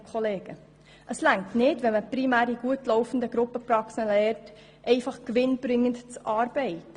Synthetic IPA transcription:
kχɔleːɡ̥ə | ʔəslæŋtnɪdʋɛməprimæːɾiɡ̥uətlɔʊfən̩dəɡɾʊpːəprɑksəlɛɾt | ʔɛɪfɑχkʋɪnb̥ɾɪŋːəntt͡sʔɑːɾb̥ɛɪtə

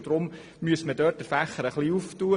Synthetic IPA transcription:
d̥̪ɾʊm | myəsmədœːrt̚əfæχəɾəχliuftuːə

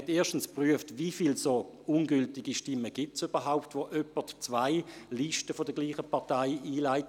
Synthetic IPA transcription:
ɛteːɐʃtn̩spʁyəftvifiːlso | unɡʏltɪɡ̥iʃtɪməɡ̥ɪtsyb̥ɐɦaʊptʋoʔœpətt͡svaɪliʃtəfɔd̥əɐɡ̥liːχəpʰɑɐtaɪiːlaɪt

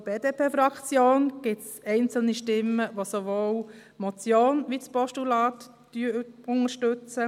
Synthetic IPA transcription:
b̥eːd̥̪eːpʰeːfɾɑkt͡sjoːnɡ̥ɪtsɛɪnt͡sl̩niʃtɪmːəʋosoʋoːw | mot͡sjoːnʋispɔʃtulɑːt̪ | d̥yːʊŋəɾʃtʉt͡sə

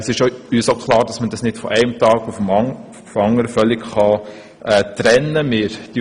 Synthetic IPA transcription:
ɛsɪʃoyːsoʊkχlɑːɾd̥ɑsmədɑsnɪd̥fɔ̰ʔɛɪmtɑːɡ̥ufəm | fɑŋːəɾəfœlɪkχɑ | ɛtɾɛnːəmɪɾd̥i

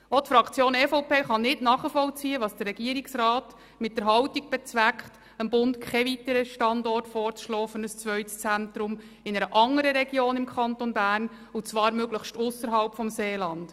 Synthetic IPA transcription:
ɔtfɾɑkʰt͡sjoːnɛfoʊpeːχɑnɪtnɑːχəfɔlt͡siːəʋɑːsd̥ərːɛɡ̥iəɾiksɾɑːt | mɪt̚dəɾɦɑwtiɡ̚b̥ɛt͡sʋækχt | əmbʊntkʰχɛvitəɾəʃtɑndɔrtfɔːɾt͡sʃlɔːfənəst͡sʋœʏtst͡sæntɾʊm | ɪnəɾəʔɑŋəɾəɾɛɡjoːnɪmkʰχɑnt̪onbæːrn | ʊt͡sʋɑːɾmøɡləχʃtʊsəɾɦɑlpfɔmseːlɑnd̥

